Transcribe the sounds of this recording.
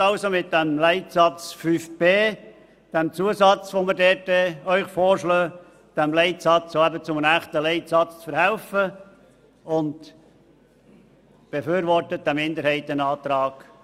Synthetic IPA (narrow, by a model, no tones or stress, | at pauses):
ɑʊsomɪt̪̚d̥æmlɛɪt̪sɑt͡sfyfb̥eː | d̥ɛmt͡suəsɑt͡sʋoməɾdɛːtɛœʏχfoːɾʃløː | d̥æmlɛɪt̪sɑt͡soæbət͡sʊmənæχt̪əlɛɪt̪sɑt͡st͡sfəɾhælfə | ʊnd | b̥efyːɾʋɔrtəd̥̪æmɪnd̪əɾhɛɪt̪ənɑːt̪ɾɑːɡ̥